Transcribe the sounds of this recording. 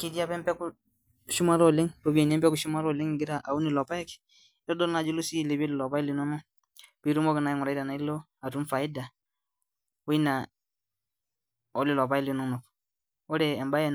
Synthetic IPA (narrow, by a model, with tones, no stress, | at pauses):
ki˦di˦a˦pɛ˦mpɛ˦ku˦ | ʃu˦ma˦ɾɔ˨lɪ˦ŋpo˨bi˦ɛ˨nɛ˦mbɛ˦ku˨ʃu˦ma˦ɾɔ˦˨lɪ˦ŋɡɪ˦ɾa˨ʔa˨u˦ni˨lɔ˨pa˦jɛ˦kɛ̥˨˦ | ɔ˦dɔ˦lna˨d͡ʒu˦lo˦si˦˨le˨bi˦ɛ˦lɪ˨lɔ˨pa˦ɛ˦li˨nɔ˦nɔ˦ | pi˨˦ɾu˦mɔ˦kɪ˨na˦ji˦ŋɔ˨ɾa˨i˦da˨na˨˦i˦lo˦ | a˨tu˦mfa˨ɪ˦da˨ | ʊ˦i˦na˨ | ɔ˦lɪ˨lɔ˨pa˦ɛ˦li˨nɔ˦no˨k | ɔ˦ɾɛː˨mba˦jɛ˦n